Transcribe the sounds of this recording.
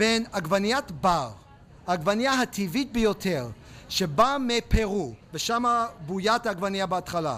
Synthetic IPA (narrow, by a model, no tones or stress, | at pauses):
b̥enaɡvanijatbaʁ | aɡvanijaɦatʰivit̚bejotʰeʁ | ʃebamepʰeʁuveʃamabujataɡvanjabeatχala̰